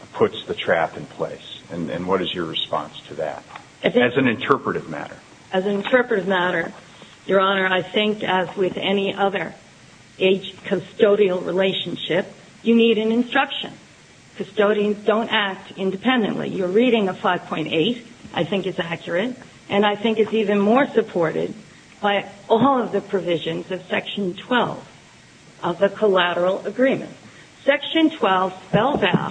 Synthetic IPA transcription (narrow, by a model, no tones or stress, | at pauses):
pʰʊtsðɨtʰɹ̥æ̰pɨ̃npʰl̥ḛɪsɨ̃nɨ̰̃nwʌɾɨzjə˞ɹɨspɑ̰̃nstʰɨðæ̰t̚ | ɨzɨz̃nɨ̃ntʰɜ˞pɹɨɾɨvmæ̰ɾə̰˞ | ɨz̃nɨ̃ntʰɜ˞pɹɨɾɨvmæɾə˞ | jə˞ɑnə˞aɪθɪ̃ŋkɨzwɪðɛniʔʌðə˞ | eɪd͡ʒkʰɨstoʊɾil̩ˠɹileɪʃn̩ʃɪp̚ | jɨniɾɨ̃nɨ̃nstɹ̥ʌkʃɨ̰̃n | kʰɨstoʊɾiɨ̃nzdõʊ̃ntæk̚tɪ̃ndɨpʰɛ̃ndɨ̰̃nʔlḭjə˞ɹiɾɪ̃ŋʌv̥faɪv̥pʰɔ̃ɪ̃nteɪɾʔaɪθɪ̃ŋkɨzækʰjə˞ɨɾ | ʔɨ̃naɪθɪ̃ŋkɨzivɨ̃nmɔɹsɨpʰɔɹɾɪ̰d̚ | b̥aɪɔlˠʌvðɨpʰɹ̥ɨvɪʒɨ̃nzʌv̥sɛkʃɨ̃n̩tʰw̥ɛ̰lˠv̥ | ʔʌvðɨkʰəlæɾə˞l̩ˠəɡɹĩmɨ̰̃nt | sɛkʃɨ̃ntʰw̥ɛlˠv̥spɛlˠzaʊt̚